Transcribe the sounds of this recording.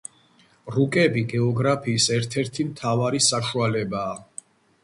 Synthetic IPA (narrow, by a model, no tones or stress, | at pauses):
ɾukʼɛbiɡɛɔɡɾapʰiːsɛɾt̪ʰɛɾt̪ʰimt̪ʰavaɾisaʃualɛbaː